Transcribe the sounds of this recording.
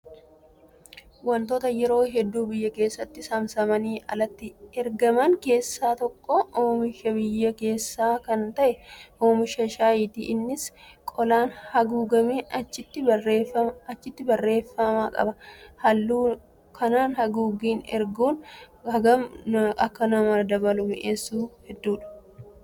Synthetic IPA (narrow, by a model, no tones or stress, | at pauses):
wɐnt̪oːt̪ɐjɛɾo̞ːɦɛd̪ːuːbɪjːɐke̞ːsːɐt̪ːɪsɐmsɐmɐniːʔɐlɐt̪ːɪɛɾɡɐmɐŋke̞ːsːaːt̪ɔkːooːmɪʃɐbɪjːɐke̞ːsːaːkɐnt̪ɐʔɛʔoːmɪʃɐʃaːjɪːt̪ḭʔnːɪskʼɔlaːnhɐɡuːɡɐmeːʔɐt͡ʃːɪt̪ːɪɐɐt͡ʃːɪt̪ːɪbɐrːe̞ːfːɐmaːkʼɐ̰bɐhɐlːuː | kʰɐnaːnhɐɡuːɡiːnɛ̰ɾɡuːnɐɡɐmɐkːɐnɐmɐd̪ɐbɐlʊmʔeːsːuːhɛd̪ːuːᶑɐ̥